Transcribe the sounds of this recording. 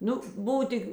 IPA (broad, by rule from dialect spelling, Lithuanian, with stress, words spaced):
ˈnʊ ˈbʊw ˈtʲɪk